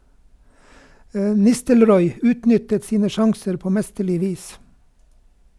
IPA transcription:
ə ˈnɪstəlˌɾɔʏ ˈʉːtˌnʏtət ˈsiːnə ˈʃɑŋsəɾ ˈpoː ˈmɛstəˌɭɪ ˈʋiːs

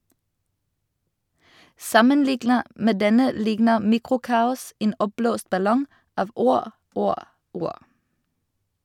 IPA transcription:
ˈsɑmənˌlɪɡnəʁ ˈmeː ˈdɛnə ˈlɪɡnə ˈmiːkʁʊˌkɑːʊs ˈeːn ˈɔpˌbloːst bɑˈlɔŋ ˈɑːʋ ˈuːʁ ˈuːʁ ˈuːʁ

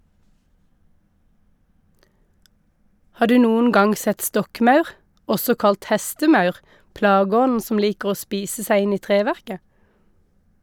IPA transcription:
ˈhɑːʁ ˈdʉː ˈnuːən ˈɡɑŋ ˈsɛt ˈstɔkˌmɑʉʁ ˈɔsɔ ˈkɑlt ˈhɛstəˌmɑʉʁ ˈplɑːˌɡɔnn̩ ˈsɔm ˈliːkʁ̩ ˈoː ˈspiːsə ˈsæɪ ˈɪn ˈiː ˈtʁeːˌʋæʁkə

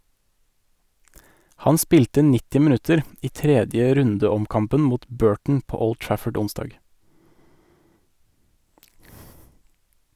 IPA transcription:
ˈhɑn ˈspiːltə ˈnɪtɪ mɪˈnʉtəɾ ˈiː ˈtɾɛdjə ˈɾʉndəɔmˌkɑmpən ˈmuːt ˈbøːʈɳ̩ ˈpoː ˈɔld ˈtɹæfəɖ ˈʊnˌsdɑːɡ

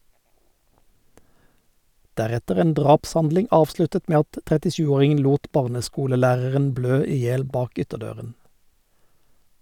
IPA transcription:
ˈdæʁɛtəʁ ˈeːn ˈdʁɑːpsˌhɑndlɪŋ ˈɑːʋˌslʉtət ˈmeː ˈɑt tʁɛtɪˈʃʉːˌoːʁɪŋən ˈluːt ˈbɑːʁnəˌskuːləˌlæːʁəʁən ˈbløː ˈiː ˈjeːl ˈbɑːk ˈʏtəˌdøːʁən

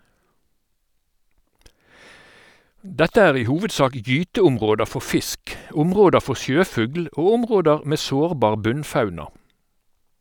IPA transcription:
ˈdɛtə ˈæːʁ ˈiː ˈhuːʋədˌsɑːk ˈjyːtəʊmˌʁoːdə ˈfɔ ˈfɪsk ˈʊmˌʁoːdə ˈfɔ ˈsjøːˌfʉɡl ˈoː ˈʊmˌʁoːdəʁ ˈmeː ˈsoːʁˌbɑːʁ ˈbʉnˌfɑʉnɑ

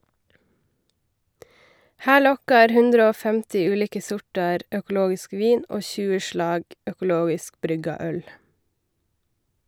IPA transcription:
ˈhæː ˈɭɔkɑɾ ˈhʉndɾə ˈoː ˈfɛmtɪ ˈʉːˌliːkə ˈsʊʈɑɾ œkl̩ˈoːɡɪsk ˈʋiːn ˈoː ˈçʉːə ˈʃɭɑːɡ œkʊˈloːɡɪsk ˈbɾʏɡɑ ˈœl

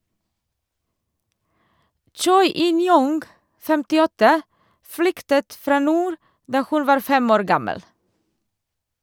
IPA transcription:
ˈt͡ʃɔʏ ˈɪnˌjʊŋɡ fɛmtɪˈɔtə ˈflʏktət ˈfɾɑː ˈnuːɾ ˈdɑː ˈhʉn ˈʋɑːɾ ˈfɛm ˈoːɾ ˈɡɑməl

